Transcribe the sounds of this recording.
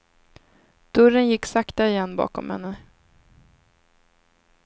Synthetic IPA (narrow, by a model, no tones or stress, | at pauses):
d̪̥ɵɾənjɪkːsakt̪aɪjɛnːbɑ̰ːkɔ̰mhɛ̰nːə